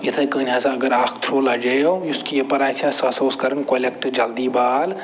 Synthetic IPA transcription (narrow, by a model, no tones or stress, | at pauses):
jɪt̪ʰekənaːsaɐɡəɾaːkʰt̪ʰɾoːlɐd͡ʒɐojʊskiepɐɾaːt͡ʃʰasɐsoːskɐɾənkolekʈd͡ʒɐld̪ibaːl